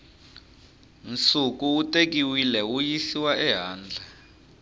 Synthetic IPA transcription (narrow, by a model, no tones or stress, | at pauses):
nt͡suk̬ʼuutʼek̬iwilɛwujisiwaʔɛɦaːnd͡ɮʱa